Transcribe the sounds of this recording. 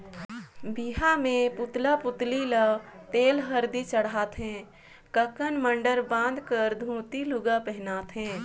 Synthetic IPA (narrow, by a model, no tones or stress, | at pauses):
biɦamẽpʊt̪lapʊt̪lilət̪eːlɦəɾd̪it͡ʃəɽaːt̪ɦɛ̃ː | kəkənməɳɖəɾbãːnd̪ʱkəɾd̪ʱũːt̪ilʊɡapɛɦnaːt̪ɦɛ̃ː